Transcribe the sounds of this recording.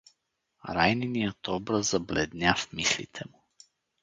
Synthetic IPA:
ɾajninijət̪ɔbɾazzablɛ̰d̪nʲjafmislḭt̪ʰɛmu

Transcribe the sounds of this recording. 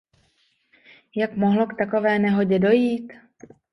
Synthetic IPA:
jakmoɦlo̞kt̪ako̞vɛːnɛɦo̞ɟɛdo̞jiːt̪

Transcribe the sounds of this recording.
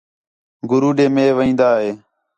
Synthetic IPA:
ɡʊɾuːɗeːmeːʋəĩːnd̪aːɦeː

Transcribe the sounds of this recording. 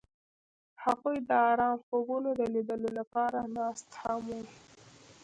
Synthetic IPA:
haɣujd̪əɑɾɑmxobunod̪əlid̪əlolapɑɾanɑst̪hamwui

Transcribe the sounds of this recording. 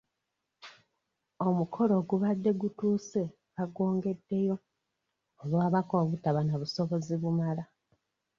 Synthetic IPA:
o̞mukʰo̞lo̞ːɡuβadːe̞ɡutuːse̞ | βaɡo̞ːŋɡe̞dːe̞jo̞ | olwoaβakoβutaβanaβuso̞βo̞ziβumala

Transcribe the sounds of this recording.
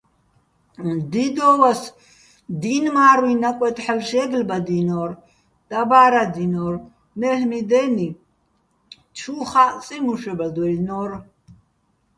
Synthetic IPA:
d̪id̪ɔːwas | d̪inmaːɾwinakʷʼwɛt̪ʰʼħəlʃɛɡlbad̪inɔɾ | d̪̥abaːɾad̪inɔːr | mɛhmid̪ɛːni | t͡ʃʰuːχat͡sʼimuʃɛbad̪wɛlnɔr

